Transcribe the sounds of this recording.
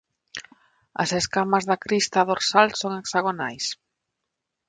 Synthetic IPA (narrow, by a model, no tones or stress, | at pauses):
ɐ̰seskamazðakɾist̪aðoɾsalsoŋeksaɣonajs